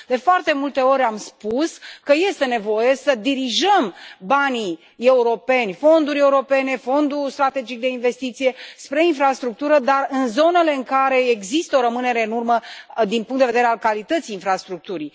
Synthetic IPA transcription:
d̪e̞foart̪e̞mult̪e̞o̞ɾʲamspuskəje̞st̪e̞ne̞vo̞je̞səd̪iɾiʒəmbani | e̞uɾo̞pe̞nʲfo̞nd̪uɾʲe̞uɾo̞pe̞ne̞fo̞nd̪ust̪ɾat̪e̞d͡ʒik̚d̪e̞inve̞st̪it̪sije̞spɾe̞infɾast̪ɾuk̚t̪uɾəd̪arɨnzo̞ne̞le̞ɨŋkaɾe̞eɡzist̪əo̞ɾəmɨne̞ɾe̞ɨnurməd̪inpuŋk̪t̪d̪eved̪eɾealkalit̪ət̪sijːnfɾast̪ɾuk̚t̪uɾi

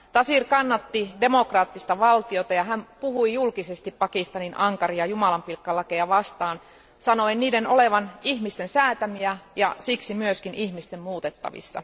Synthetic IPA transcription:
t̪ɑsirkɑnːɑt̪ːidemokrɑːt̪ːist̪ɑʋɑlt̪iot̪ɑjɑɦæmpuhuijulkisest̪ippɑkist̪ɑninʔɑŋkɑriɑjumɑlɑmpilkːɑlːɑkejɑʋɑst̪ɑːn | sɑno̞inniːdenoleʋɑnihmist̪ensæːt̪æmiæjɑ̰siksimyøskinʔihmist̪emmuːt̪et̪ːɑ̰ʋḭsːɑ̰

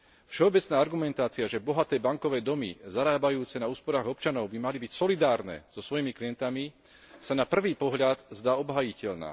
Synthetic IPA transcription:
fʃɛɔbɛt͡snaːaɾɡumɛnt̪aːt͡siaʒɛbɔɦat̪ɛːbaŋkɔʋɛːd̪ɔmḭzaɾaːbajuːt͡sɛnauːspɔɾaːɣɔpt͡ʃanɔʊbimalibicsɔlid̪aːɾnɛ̰ːz̥ɔsʋɔjimikliɛnt̪ami | sanapr̩ʋiːpɔɦʎad̪zd̪aːɔbɦaːjicɛʎna̰ː

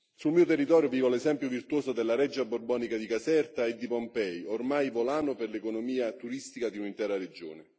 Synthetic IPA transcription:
sulmiːot̪erːit̪ɔːɾjʊviːvolezɛmpjʊvirt̪uwoːsod̪elːaɾɛd͡ʒːaborbɔːnikad̪ikasɛrt̪aed̪ːipompɛjormajvolaːnʊperlekonomiːat̪uɾist̪ikad̪iunint̪ɛːɾaɾed͡ʒo̰ːne

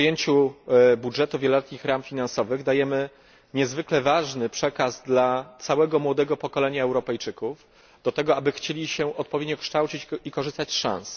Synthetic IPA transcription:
jeɲt͡ɕubudʐɛt̪uvʲjɛlɔlɛt̪ɲixɾamfʲinansɔvɘɣd̪ajɛmɘ | ɲɛzvɘklɛvaʐnɘpʂɛkazd̪lat̪sawɛɡɔmwɔd̪ɛɡɔpɔkɔlɛɲaɛwɾɔpɛjt͡ʂɘkuf | d̪̥ɔt̪ɛɡɔabɘxt͡ɕelʲiɕɛʔɔt̪̚pɔvʲed̪ɲɔkʂt̪awt͡ɕit͡ɕikɔʐɘst̪at͡ɕʂã̰ñs

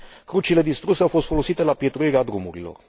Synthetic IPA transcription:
kɾut͡ʃile̞d̪ist̪ɾuseawfo̞st̪fo̞lo̞sit̪e̞lapje̞t̪ɾuiɾead̪ɾumuɾilo̞̰r

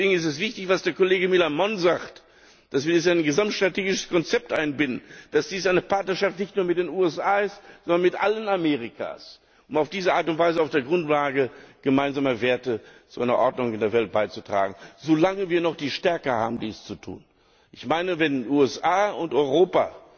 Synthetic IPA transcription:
eːɡŋ̩ɪs̬tɛs̬v̥ɪçtɪçv̥asd̥eːɐkoleːɡəmɪlamɔnzaxt | d̥asv̥iːɐis̬aɪnɡəzamtʃtʁ̥ateːɡɪʃəskʰɔnt͡sɛp̚tʔaɪnbɪndn̩d̥asd̥iːsaɪnəpʰaɐtnɐʃaftnɪçtnuːɐmɪt̚d̥eːnuːɛsʔaːɪstzɔndɐnmɪtʔalənameːʁ̞ikʰa̰ːs | ʔʊmaʊfd̥iːzəʔaːɐtʊntv̥aɪzəaʊfd̥eːɐɡʁʊntlaːɡəɡ̥əmaɪnzaːmɐveːɐtət͡suʔaɪnɐʔɔɐdnʊŋɪndeːɐvɛlt̚b̥aɪt͡su̥tʁ̥a̰ːɡŋ̩zoːlaŋəviːɐnɔχd̥iːʃtɛɐkəha̰ːbm̩diːst͡sutʰṵːn | ʔɪçmaɪnəvɛnʔuːɛsʔaːʊntɔʏʁoːpa̰

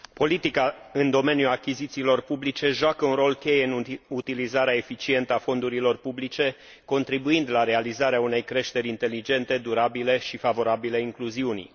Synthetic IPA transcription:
po̞lit̪ikaɨnd̪o̞me̞njuakʲizit̪siːlo̞rpublit͡ʃe̞ʒoakəunro̞lkʲe̞jenut̪ilizaɾeae̞fit͡ʃie̞nt̪əafo̞nd̪uɾilo̞rpublit͡ʃe̞ | ko̞nt̪ɾibuind̪laɾe̞alizaɾeaune̞jkɾe̞ʃt̪e̞ɾʲint̪e̞lid͡ʒe̞nt̪e̞d̪uɾabile̞ʃifavo̞ɾabileiŋkluziuni

